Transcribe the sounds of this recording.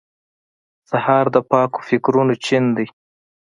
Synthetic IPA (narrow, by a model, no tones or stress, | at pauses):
sahɑɾd̪əpɑko̥fɪkɾunot͡ʃind̪əj